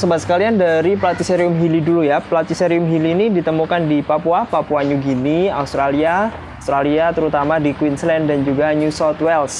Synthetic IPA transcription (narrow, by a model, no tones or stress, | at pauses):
səbat̪sə̥kaliandaɾiplat̪iseɾiʊmɦilidulujaplat̪iseɾiʊmɦiliːnidit̪əmukandipapuapapuaɲuɡiniaust̪ɾalia | st̪ɾaliat̪əɾut̪amadikwinslɛndand͡ʒuɡaɲusɔt̪wɛls